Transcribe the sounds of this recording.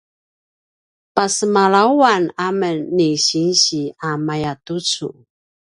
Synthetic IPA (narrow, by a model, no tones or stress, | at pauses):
pasəmaɭawanamənːiɕinɕiamajatut͡sṵ